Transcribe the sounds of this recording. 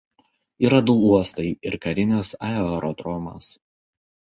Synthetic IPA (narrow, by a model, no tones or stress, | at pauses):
iːɾɐd̪uuɔst̪ɐɪɪɾkɐɾʲɪnʲɪsɑɛɐɾɔd̪ɾɔmo̰s